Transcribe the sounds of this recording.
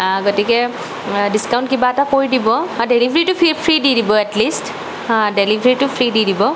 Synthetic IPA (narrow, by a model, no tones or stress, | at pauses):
ɡotikɛ | diskawʊ̃ntkibaɛtakoɹjdibɔdelibʱɹitʊpʰipʰɹididibɔɛtlist | delibʱɹitʊpʰɹididibɔ